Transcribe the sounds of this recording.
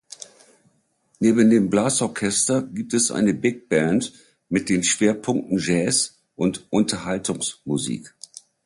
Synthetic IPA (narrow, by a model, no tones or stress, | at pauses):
neːbn̩deːmblaːsɔɐkʰɛstɐɡiːp̚tɛsʔa̰ɪnəbɪk̚b̥ɛnt | mɪt̚d̥eːnʃv̥eːɐpʰʊŋk̚tn̩ʒɛːs | ʔʊntʔʊntʰɐhaltʰʊŋsmuzḭːk